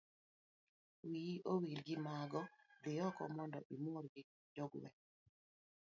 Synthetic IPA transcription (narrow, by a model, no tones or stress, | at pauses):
wiʔowiɾɡɪmaɡɔdɪjɔkɔ̰mɔndɔ̰ʔimoɾɡɪ | d͡ʒoɡwɛ̰